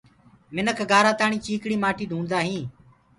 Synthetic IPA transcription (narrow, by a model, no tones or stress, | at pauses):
mɪnəkʰɡaːɾaːt̪aːɳiːt͡ʃiːkɽiːmaːʈiːɗʱũːnd̪aːɦĩː